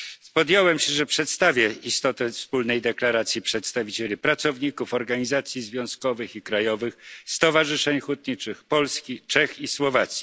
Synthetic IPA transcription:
spɔd̪jɔwɛmɕɛʐɛpʂɛt̪st̪avʲjɛist̪ɔt̪ɛfspulnɛjd̪ɛklaɾat̪sʲjipʂɛt̪st̪avʲit͡ɕelʲipɾat̪sɔvɲikufɔɾɡaɲizat̪sʲjizvʲjɔ̃skɔvɘxikɾajɔvɘxst̪ɔvaʐɘʂɛɲxut̪ɲit͡ʂɘxpɔlskʲit͡ʂɛxiswɔvat̪sʲji

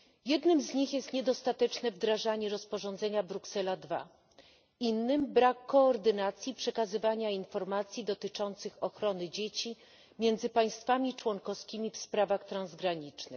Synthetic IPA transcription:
jɛd̪nɘmzɲixjɛst̪ɲɛd̪ɔst̪at̪ɛt͡ʂnɛvd̪ɾaʐaɲɛɾɔspɔʐɔnd̪zɛɲabɾuksɛlad̪va̰ | inːɘmbɾakːɔːɾd̪ɘnat̪sʲjipʂɛkazɘvaɲainfɔɾmat̪sʲjid̪ɔt̪ɘt͡ʂɔnt̪sɘxɔxɾɔnɘd͡ʑet͡ɕi | mʲjɛnd̪zɘpaj̃st̪famʲit͡ʂwɔŋkɔskʲimʲifspɾavaxt̪ɾãnzɡɾaɲit͡ʂnɘ̰x

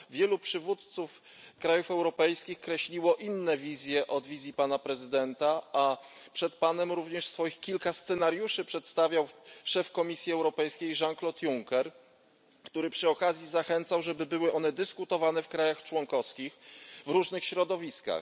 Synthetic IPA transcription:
vʲjɛlupʂɘvut̪t̪suf | kɾajufɛwɾɔpɛjskʲixkɾɛɕlʲiwɔʔinːɛvʲizʲjɛʔɔd̪vʲizʲjipanapɾɛzɘd̪ɛnt̪aapʂɛt̪̚panɛmɾuvɲɛʂsfɔjixkʲilkast̪sɛnaɾjuʂɘpʂɛt̪st̪avʲjawʂɛfkɔmʲisʲjiɛwɾɔpɛjskʲejʐaŋklɔt̪juŋkɛɾ | kt̪uɾɘpʂɘɔkazʲjizaxɛnt̪sawʐɛbɘbɘwɘʔɔnɛd̪ɘskut̪ɔvanɛfkɾajaxt͡ʂwɔŋkɔfskʲixvɾuʐnɘxɕɾɔd̪ɔvʲiska̰x

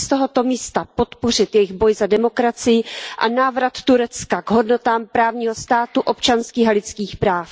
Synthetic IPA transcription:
st̪oɦo̞t̪o̞miːst̪apo̞t̪po̞r̝ɪt̪jɛjɪɣbo̞jzadɛmo̞kɾat͡sɪjɪʔa̰naːvɾat̪ːuɾɛt͡skaɡɦo̞dno̞t̪aːmpɾaːvɲiːɦo̞st̪aːt̪uʔop̚t͡ʃanskiːxalɪt͡skiːxpɾaːf

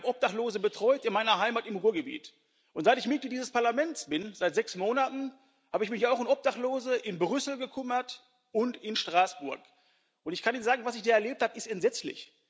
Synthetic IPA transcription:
bʔɔp̚d̥aχtloːzəbətʁ̥ɔʏtɪnmaɪnɐɦaɪmatɪmhuːɐɡəbḭːt | ʔʊntz̥aɪtɪçmɪtədiːzəspaɐlamɛntsb̥ɪnzaɪtz̥ɛksmoːnatn̩ | haːbəɪçmɪçaʊxɪnʔɔp̚d̥aχtloːzəʔɪnbʁʏsl̩ɡəkʰʏmɐt | ʔʊntɪnʃtʁ̥aːsb̥ʊɐk | ʔʊntɪçkʰaniːnzaːɡŋ̩vasɪçd̥iːɐɛɐleːp̚thaːbəɪstɛntz̥ɛt͡slɪ̰ç

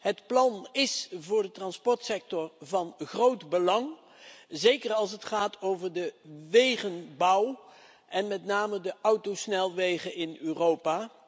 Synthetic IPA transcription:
ɦətplɑnɪsvʊːɹdətrɑnspɔɹtsɛk̚tɔrvɑnχrowtbəlɑŋ | zejkərɑlˠs̬ətχaːtʰowvəɹdəʋejχənbʌw | ʔɛnmɛtnaːmədəʔʌwtosnɛlˠʋejχəɪnyːrowpaː

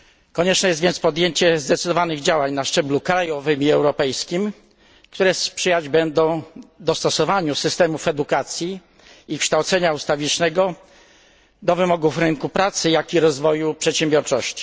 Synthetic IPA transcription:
kɔɲɛt͡ʂnɛjɛst̪vʲjɛnt̪spɔd̪jeɲt͡ɕɛzd̪ɛt̪sɘd̪ɔvanɘɣd͡ʑawaɲnaʂt͡ʂɛblukɾajɔvɘmʲiɛwɾɔpɛjskʲim | kt̪uɾɛspʂɘjad͡ʑbɛnd̪ɔ̃w̃d̪ɔst̪ɔsɔvaɲusɘst̪ɛmufɛd̪ukat̪sʲjiː | kʂt̪awt̪sɛɲaust̪avʲit͡ʂnɛɡɔ | d̪ɔvɘmɔɡufɾɘŋkupɾat̪sɘjakʲiɾɔzvɔjupʂɛt̪ɕɛ̃mbjɔɾt͡ʂɔɕt͡ɕi̥

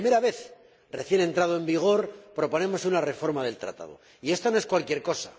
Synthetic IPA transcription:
ime̞ɾaβ̞e̞θ | re̞θje̞ne̞nt̪ɾaðoe̞mbiɣ̞o̞ɾpɾo̞po̞nẽ̞mo̞sunare̞fo̞ɾmaðe̞lt̪ɾa̰t̪a̰ð̞o̞̰ | ie̞st̪onoeskwalkje̞ɾko̞sa

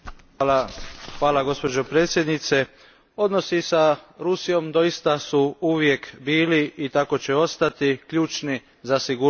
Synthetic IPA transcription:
xʋaːlaɡo̞spo̞d͡ʒo̞pɾe̞ːt̪sje̞d̪nit̪se̞ | o̞d̪no̞sisaɾusijo̞md̪o̞jist̪asuuʋje̞kbiːliit̪ako̞t͡ɕe̞o̞st̪at̪ikʎuːt͡ʃni | zasiɡu

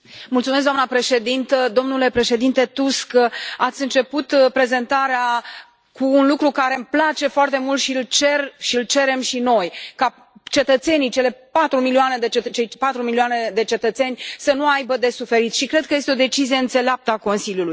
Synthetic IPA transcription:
mult̪sumes̬d̪oamnəpɾe̞ʃe̞d̪int̪əd̪o̞mnule̞pɾe̞ʃe̞d̪int̪e̞t̪uskat̪sʲɨnt͡ʃe̞put̪pɾe̞ze̞nt̪aɾea | kuːnlukɾukaɾe̞mplat͡ʃe̞foart̪e̞mult̪ʃilt͡ʃe̞rʃilt͡ʃe̞ɾe̞mʃino̞jka | t͡ʃe̞t̪ət̪se̞nijt͡ʃe̞le̞pat̪ɾumilioane̞d̪et͡ʃet͡ʃejpat̪ɾumilioane̞d̪e̞t͡ʃe̞t̪ət̪se̞nʲsənuajbəd̪e̞sufe̞ɾit̪ʃikɾe̞d̪̚kəje̞st̪eo̞d̪e̞t͡ʃizieɨnt̪se̞leap̚t̪əako̞nsiljuluj

